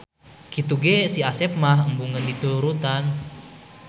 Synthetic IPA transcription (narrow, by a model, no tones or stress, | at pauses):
kit̪uɡesiasɛp̚maɦəmbuŋəndit̪uuɾut̪an